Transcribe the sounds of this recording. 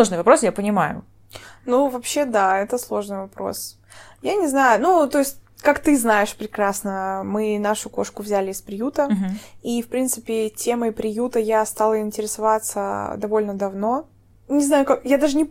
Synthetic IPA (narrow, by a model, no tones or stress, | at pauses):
lˠoʐnɨjvɐpɾo̞sjapənʲɪmajʊ̰ | nuvɐpɕːe̞d̪aɛt̪əslˠo̞ʐnɨjvɐpɾo̞̰s | janʲɪznajʊnut̪o̞ɪsʲt̚ʲ | kakt̪ɨznajɪʂpɾʲɪkɾasnəmɨnaʂʊko̞ʂkʊvzʲælʲɪːspɾʲɪjut̪əifpɾʲint̪sɨpʲɪtʲe̞məpɾʲɪjut̪əjast̪alˠəɪnʲtʲɪɾʲɪsɐvat̪sə̰d̪ɐvo̞lʲnəd̪ɐvno̞ | nʲɪznajʊkakjad̪aʐɨnʲɪ